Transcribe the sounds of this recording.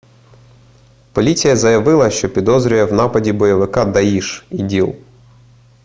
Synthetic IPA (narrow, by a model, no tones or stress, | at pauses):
pɔlʲit͡sʲijɐzɐjɐʋɪlˠɐʃt͡ʃɔpʲid̪ɔzɾʲʊjɛwnɑpɐdʲibɔjɐʋɪkɑd̪ɐjiʃidʲilˠ